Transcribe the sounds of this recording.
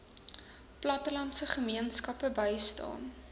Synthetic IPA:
plɐtəlɐntsəχəmiənskɐpəbəjstɑ̰ːn

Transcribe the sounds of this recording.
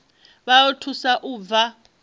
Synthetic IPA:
βajɔtʰusaʔuːb̪va

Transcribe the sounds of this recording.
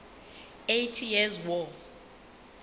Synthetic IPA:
ejtʰijɛzwɔ

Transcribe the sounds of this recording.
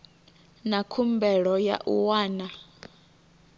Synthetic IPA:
nakʰumbɛɺɔja̰ʔuwaːna

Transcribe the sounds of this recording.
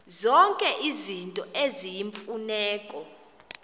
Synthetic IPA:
zɔŋkʼɛʔizintʼɔʔezijiɱfunɛːkʼɔ

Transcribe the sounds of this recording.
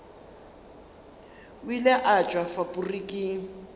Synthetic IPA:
wilɛʔat͡ʃʼwafapʼurikʼɪ

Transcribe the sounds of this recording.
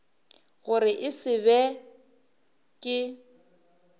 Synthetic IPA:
ɣʊɾɪʔɪsɪβɛ | kʼɪ

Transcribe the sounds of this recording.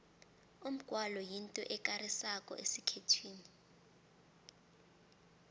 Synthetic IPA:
um̩ɡ̥ʱwalɔjintʼɔʔɛkʼarisakʼɔ̰ʔesikʰetʰwiːni

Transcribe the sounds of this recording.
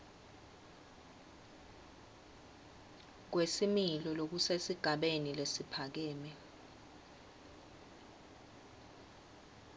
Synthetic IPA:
k̬wesimilɔlok̬usesiɡ̥ʱaɓenilesipʰak̬ɛːmɛ

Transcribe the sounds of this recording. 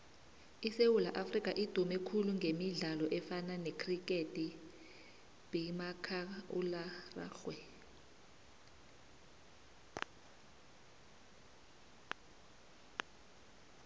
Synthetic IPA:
isewulaʔafrik̬ʼaʔid̥ʱumɛkʰuluŋɡʱemiɮalɔʔɛfananekʰrikʼetʼi | b̥ʱimakʰaṵlara̰ːɬwɛ

